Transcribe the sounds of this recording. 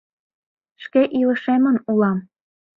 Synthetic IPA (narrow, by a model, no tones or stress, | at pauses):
ʃkeʔilɤ̆ʃemə̆nulɑm